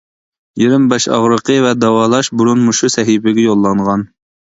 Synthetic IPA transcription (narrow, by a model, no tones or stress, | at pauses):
jiɾmbɛʃɑ̰ʁɾəqəvɛd̪ɑwɑːlˠɑʃbuɾunmuʃusɛɦibɪɡʲɛjolˠːɑɴʁɑn